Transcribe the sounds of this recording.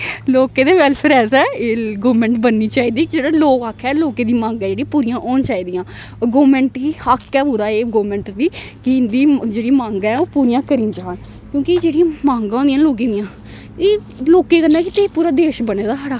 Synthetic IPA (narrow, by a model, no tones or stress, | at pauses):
loːkeːd̪eːʋɛlpʰəɾɛːsɛːeːɡoːmɛ̃ɳʈbənːiːt͡ʃaːiːd̪iːd͡ʒeːɽaːloːkaːkʰːɛːloːkeːd̪iːmãːŋɡɛːd͡ʒeːɽĩãːpuːɾijãːʔɔːnt͡ʃaːiːd̪ijãː | ɡoːmɛ̃ːɳʈkiːhakːɛːpũːd̪aːeːɡoːmɛ̃ːɳʈd̪iːkɪɪnd̪iːd͡ʒeːɽimãːŋɡɛːoːpuːɾijãːkəɾĩːd͡ʒaːn | kjõːkɪd͡ʒeːɽijãːmãːŋɡãːõnd̪ijãːloːk̬ẽːd̪ijãː | eː | loːkeːkənd̪ɛːkɪt̪eːpuːɾaːd̪eːʃbəneːd̪aːəɽaː